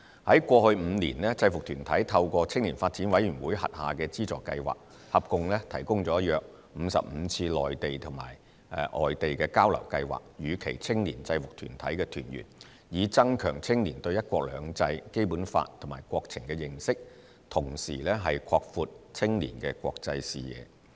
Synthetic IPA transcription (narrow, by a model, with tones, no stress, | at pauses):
hɐ˨˥jkʷɔː˧hɵ˧ɥm̩ː˨˧niː˨˩nlɛː˥t͡sɐ˧jfʊ˨k̚t̪ʰyː˨˩nt̪ʰɐ˨˥jt̪ʰɐ˧wkʷɔː˧t͡sʰɪ˥ŋliː˨˩nfaː˧t̚t͡siː˨˥nwɐ˨˥jɥy˨˩nwuː˨˥jhɐ̰˨t̚ha̰ː˨kɛː˧t͡siː˥t͡sɔː˨˩kːɐ̰˧jwa̰ː˨k̚ | hɐ˨˩p̚kʊ˧ŋlɛː˥t̪ʰɐ˨˩jkʊ˥ŋt͡sɔː˨˥jœː˨˧k̚ | m̩˨˧sɐ̰˨p̚m̩˨˧t͡sʰiː˧lɔ̰ː˨˩jt̪e˨jt̪ʰʊ˨˩ŋma̰ː˨˩j | ɛ̰˧ʔɔ̰ː˨˩jt̪e˨jkɛː˧kaː˥wlɐ̰˨˩wkɐ˧jwa̰ː˨˩k̚jyː˨˧kʰe˨˩jt͡sʰɪ˥ŋni˨˩nt͡sɐ˧jfʊ˨k̚t̪ʰy̰ː˨˩nt̪ʰɐ˨˥jkɛː˧t̪ʰy̰ː˨˩njy̰ː˨˩n | jiː˨˧t͡sɐ˥ŋkʰœː˨˩ŋt͡sʰɪ˥ŋniː˨˩nt̪ɵ˧ɥjɐ˥t̚kʷɔː˧k̚lœː˨˧ŋt͡sɐ˧jke˥jpuː˨˥nfa̰ː˧tt̪ʰʊ˨˩ŋmaː˨˩jkwɔː˧k̚t͡sʰɪ˨˩ŋkɛː˧jɪ˨˩ŋsɪ˥k̚ | t̪ʰʊ˨˩ŋsḭː˨˩lɛː˥ɦɐ˨jkʰɔː˧k̚fuː˨˧t̚t͡sʰɪ˥ŋnḭː˨˩nkɛː˧kʷɔː˧k̚t͡sɐ˧jsḭː˨jɛ̰ː˨˧